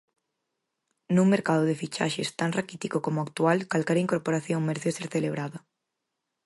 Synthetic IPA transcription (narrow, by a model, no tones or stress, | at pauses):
nuŋmːeɾkaðʊðɪfit͡ʃa̰ʃest̪aŋrakit̪ikokomʊak̚t̪ualkalkɛɾaiŋkoɾpoɾaθjoŋmeɾeθseɾθeleβɾaðɐ